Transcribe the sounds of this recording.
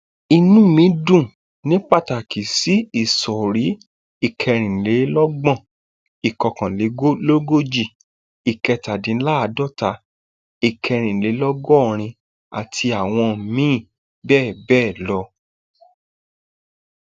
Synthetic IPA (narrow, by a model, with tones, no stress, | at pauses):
i˧nũ˦mĩ˨˦dũ˦˨ | nĩ˦k͡pa˦˨ta˨ki˨si˨˦i˦˨sɔ˨ɾi˨˦ | i˦˨kʰɛ˧ɾ̃ĩ˨le˨˦lɔ˦ɡ͡bɔ̃˦˨ | i˨kɔ˧kã˨le˨˦lo˦ɡo˦d͡ʒi˦˨ | i˨kɛ˧ta˨dĩ˨˦la˦˨a˧dɔ˦˨ta˧˦ | i˨kʰɛ˧ɾ̃ĩ˨le˨˦lɔ˦ɡɔ˦ɔ˦˨ɾ̃ĩ˧ | a̰˨tʰi˧a˨w̃ɔ̃˧˨mĩː˦˨ | bɛː˦˨bɛː˦˨lɔ˧˦